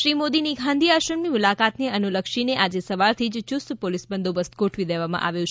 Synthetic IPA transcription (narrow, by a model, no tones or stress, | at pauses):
ʃɾimod̪iniɡʱãnd̪ʱiaʃəɾmimʊlakat̪neənuləkʃineʔad͡ʒesəʋaɾt̪ʰid͡ʒt͡ʃʊst̪polisbənd̪obəst̪̚ɡoʈʰʋid̪eʋamã̰ʔa̰ʋjũt͡ʃʰe